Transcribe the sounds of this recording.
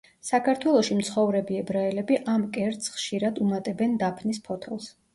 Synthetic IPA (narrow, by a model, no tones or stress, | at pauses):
sakʰaɾt̪ʰwɛlˠɔʃimt̪sʰχɔvɾɛbiɛbɾaɛlɛbiʔamkʼɛɾt̪sχʃiɾad̪umat̪ʼɛbɛnd̪apʰnispʰɔt̪ʰɛlˠs